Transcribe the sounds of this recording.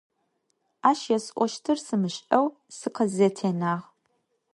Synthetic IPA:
aːʃjɛsʼʔʷɔʃtʰɨrsɨmɨɕʼɐw | sɨqʰɐzɛtʰeːnaːʁ

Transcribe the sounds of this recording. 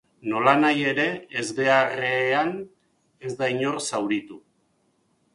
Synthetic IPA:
no̞lanaje̞ɾe̞ːzde̞aɾean | ezd̪aiɲo̞rsawɾit̪u

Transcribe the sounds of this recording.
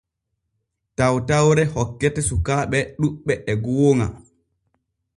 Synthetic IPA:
tawtawɾɛhɔkːɛtɛsukaːɓɛɗuɓːɛʔɛɡoːŋa̰

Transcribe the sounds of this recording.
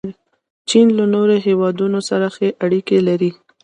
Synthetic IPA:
t͡ʃinlanoɾoɦewɑd̪unosaɾaxeʔaɽikelaɾi

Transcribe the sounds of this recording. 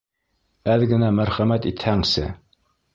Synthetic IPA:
æðɘɡɘ̆næmæɾχæmæt̪it̪hæŋsɘ̰

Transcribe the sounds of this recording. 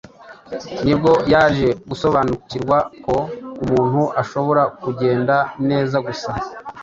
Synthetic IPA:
nibɡo̞jaːʒe̞ɡuso̞βaːnuciɾɡwako̞umuːn̥huʔaʃo̞βo̞ɾakuɟe̞ːndane̞ːzaɡusa

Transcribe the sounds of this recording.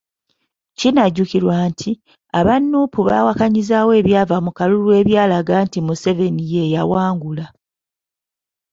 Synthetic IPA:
cinaɟukiɾwaːntʰi | aβanːuːpuβa̰wakaɲizawe̞ːβjaːvamukalulwe̞ːβjaːlaɡantimuse̞ve̞nije̞jawaːŋɡula

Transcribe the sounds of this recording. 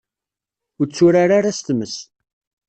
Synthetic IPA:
ʊɾt͡sːʊɾaɾaɾast̪məs

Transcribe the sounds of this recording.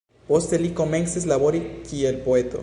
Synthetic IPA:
post̪elikomeŋseslaβoɾikielpoet̪o̰

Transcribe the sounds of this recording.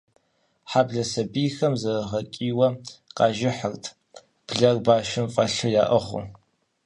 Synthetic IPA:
ħabɮɐsɐbiːxɐmzɐʁɐkʲʼiːwɐqɑːʒɪħərtʰ | b̥ɮɐrbaːʃɪmfʼɐɬɨjaːʔɐʁʷʊ̰

